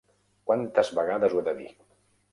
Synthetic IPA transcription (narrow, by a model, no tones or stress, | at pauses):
kwant̪əzβəɣaðəzueðəðḭ